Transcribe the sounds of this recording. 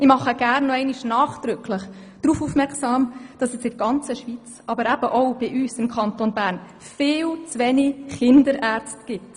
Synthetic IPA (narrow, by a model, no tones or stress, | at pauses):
ɪmɑχəɡ̥æːrnːɔɛɪniʃnɑːχd̥ɾʏkʰləχ | d̥ɾuːfuːfmɛɾksɑːmd̥ɑsɛsɪdɡ̥ɑnt͡səʃʋit͡s | ɑbəɾæb̥əʔɔʊb̥ɪʔyːsɪmkʰɑntonbæːɾn | fɪːlt͡sʋɛniχɪndəɾʔæːɾt͡stɡ̥ɪt